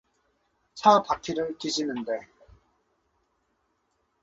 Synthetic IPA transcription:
t͡ɕʰapakʰiɾɯɭtiɕʰinɯnde̞

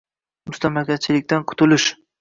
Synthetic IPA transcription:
mʊst̪ʰamakʲat͡ʃʰɪlɪkʲt̪anqʰʊ̥t̪ʊlɪʃ

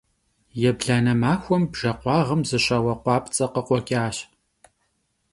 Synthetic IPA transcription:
jɛbɮaːnɐmaːxʷɔmbʒ̥ɐqʷɑːʁəmzɨɕɐwɐqʷɑːpt͡sʼɐqəqʷɔkʲʼaːɕ

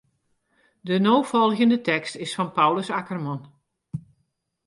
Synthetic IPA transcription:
dənowfɔlˠɣəndətɛkstɪsfɑnpawləsakərmɔn

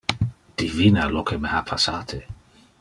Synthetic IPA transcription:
d̪̥ivinalokʰemehapʰasaːt̪ʰe

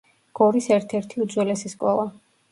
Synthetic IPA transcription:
ɡ̥ɔɾisɛɾt̪ʰɛɾt̪ʰiud̪zwɛlɛsiskʼɔlˠa

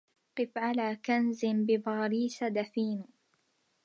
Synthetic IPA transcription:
qɨfʕalaːkanzɪmbɪbaːɾiːsad̪afiːn

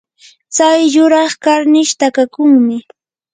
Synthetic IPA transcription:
t͡sajːʊɾɑχkaɾnɪʃt̪akakʊŋmɪ

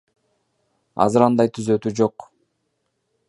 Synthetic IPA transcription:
ɑ̰zɯɾɑnd̪ɑjt̪ʰyzø̞t̪yd͡ʒo̞q

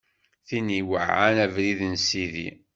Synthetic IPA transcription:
θiniwəʕanævɾiðənsiðḭ

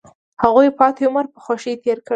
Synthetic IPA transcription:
haɣujpɑt̪iʊməɾpə̥xoʃit̪eɾkə

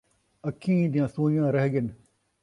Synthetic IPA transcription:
əkʰĩːd̪ijãːsũːjãːɾɐɦɡɪn

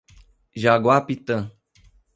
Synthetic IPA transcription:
ʒaɡwapit̪ə̃

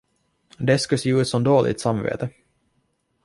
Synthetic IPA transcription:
d̪ɛskɑseːʉ̟ːt̪sɔmd̪oːlʔɪ̰t̪samvḛːt̪ə

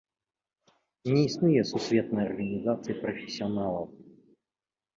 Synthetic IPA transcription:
nʲɛisnujɛsusʲvʲɛt̪̚nɐjɐrɣɐnʲizat̪sɨjipɾɔfʲɛsʲiɔnalˠɐw

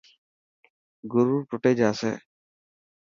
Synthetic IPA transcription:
ɡuɾuɾʈuʈɛd͡ʒaːsɛ̰

